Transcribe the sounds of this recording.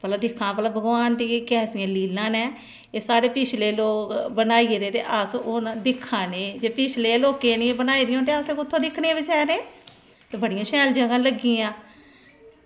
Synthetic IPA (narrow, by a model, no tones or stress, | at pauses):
pəlaːd̪ɪkʰːãːpəlaːbʱəɡʋaːnʈiːkːkɛːsɪjãːliːlːãːnɛː | eːsaːɽeːpɪt͡ʃʰleːloːkbənaːiːeːd̪eːt̪ḛːʔəsond̪ɪkʰːãːneːd͡ʒeːpɪt͡ʃʰleːloːkeːniːbənaːiːd̪ijõːt̪eːəseːkʊt̪ʰːõːd̪ɪkʰːneãbɪt͡ʃaːneː | t̪eːbəɽɪjãːʃɛːld͡ʒəɡãːləɡĩãː